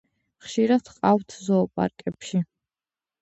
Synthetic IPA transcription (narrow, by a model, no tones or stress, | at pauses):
χʃiɾad̪̥qʼaft̪ʰzɔːpʼa̰ɾkʼɛpʃi